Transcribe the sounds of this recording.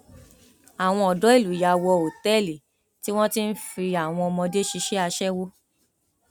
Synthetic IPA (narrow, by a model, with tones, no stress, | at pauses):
a˨w̃ɔ̃˧ɔ˨dɔ˨˦i˦˨lu˨ja˧wɔ˧o˨tɛ˦˨li˨ | ti˦w̃ɔ̃˦ti˦n̩˦fi˧a˨w̃ɔ̃˧ɔ˧mɔ̃˧de˦ʃi˧ʃɛ˦a˧ʃɛ˦wo˦